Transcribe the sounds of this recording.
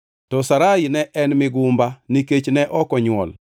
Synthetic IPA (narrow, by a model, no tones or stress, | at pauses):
tɔsaɾainɛʔɛnmɪɡʊmbaniket͡ʃnɛʔɔkɔɲwɔ̰l